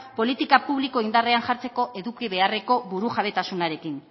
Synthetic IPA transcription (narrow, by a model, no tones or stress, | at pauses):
po̞lit̪ikapuβliko̞ind̪areanʝaɾt͡se̞ko̞ʔe̞ðukiβe̞are̞ko̞βuɾuʝaβ̞e̞t̪asunaɾe̞kin